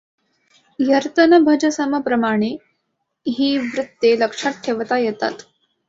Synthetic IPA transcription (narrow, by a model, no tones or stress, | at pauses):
jəɾt̪ənəbʱəd͡ʑəsəməpɾəmaɽ̃e | ɦiːʋɾut̪ːjeləkʂat̪ʰːeʋət̪ajɛt̪a̰t̪